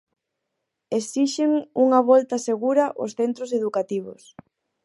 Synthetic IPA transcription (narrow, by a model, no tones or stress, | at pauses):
esiʃeŋuŋaβɔlt̪ɐseɣuɾɐʔo̰sθent̪ɾoseðukat̪iβ̞o̰s